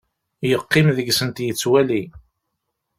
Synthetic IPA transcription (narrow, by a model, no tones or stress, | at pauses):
jəqːɪmðəɡsənt̪jət͡sːwæli